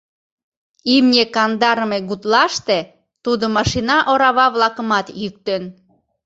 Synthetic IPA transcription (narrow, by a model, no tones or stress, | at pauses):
imnʲekɑnd̪ɑɾəmeɡut̪lɑʃt̪e | t̪ud̪omɑʃinɑʔoɾɑβɑβlɑkə̆mɑt̪jyk̚t̪en